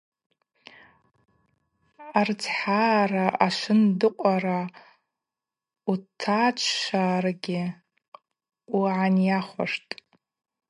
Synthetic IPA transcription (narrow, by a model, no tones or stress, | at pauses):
art͡sʰħaːraʔaʂʷɨndɨqʷʼaɾa | utʰat͡ʃʷʰʃarɡʲɪ | uʕanjaχʷa̰ʂtʼ